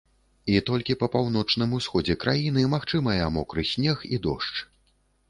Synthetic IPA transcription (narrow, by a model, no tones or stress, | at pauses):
it̪ɔlʲkʲipɐpawn̪ɔt͡ʂnɨmusxɔd͡zʲɛkɾajinɨmaxt͡ʂɨmɐjɐmɔkɾɨsʲnʲɛxḭd̪ɔ̰ʂt͡ʂ